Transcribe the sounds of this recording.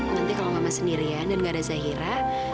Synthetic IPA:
nant̪ikalawŋamasəndiɾiadanŋɡadazaɦiɾa

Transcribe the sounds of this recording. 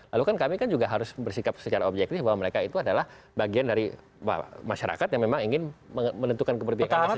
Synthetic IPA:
lalukankamikand͡ʒuɡaɦaɾʊsbərsikap̚sət͡ʃaɾaobd͡ʒɛk̚t̪ɪfbaɦwaməɾekait̪uadalah | baɡiandaɾi | wa̰maʃaɾa̰kat̪jaŋmemaŋiŋɪnəmənənt̪ukankəbərbiaka

